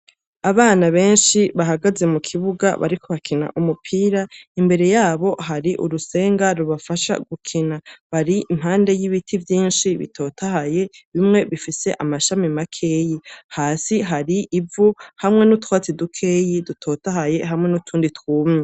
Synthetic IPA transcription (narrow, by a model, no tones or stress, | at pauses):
aβaːnaβe̞ːnʃiβaɦaɡaze̞mukʰiβuɡa̰βa̰ɾikʰo̞βakʰina̰ʔumupʰiːɾaimbe̞ɾe̞jaːβo̞ɦaɾiʔṵɾuse̞ːŋɡaɾuβafaʃa̰ɡukʰinaβaɾiim̥haːnde̞jiβitʰivjiːnʃiβḭtʰo̞tʰahaje̞βimŋe̞βifise̞ʔamaʃamimakʰe̞ːjihaːsiɦaɾiʔivuhamŋe̞nutwaːt͡sidukʰe̞ːjidutʰo̞ːtahaje̞ɦamŋe̞nutʰuːnditwuːmɲe